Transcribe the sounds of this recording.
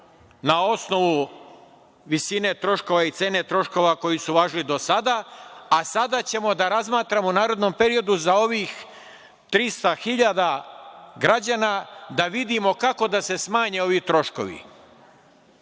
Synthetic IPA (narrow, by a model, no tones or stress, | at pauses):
nao̞sno̞ʋu | ʋisine̞t̪ɾo̞ʃko̞ʋait̪se̞ːne̞t̪ɾo̞ʃko̞ʋako̞jisuʋaːʒilid̪o̞sad̪aːsad̪at͡ɕe̞mo̞d̪aɾazmaːt̪ɾamounaːɾod̪no̞mpe̞ɾio̞d̪uzao̞ʋix | t̪ɾist̪axiʎad̪a | ɡɾad͡ʑaːnad̪aʋid̪imo̞kako̞d̪ase̞smaːɲe̞o̞ʋit̪ɾo̞ʃko̞̰ʋḭ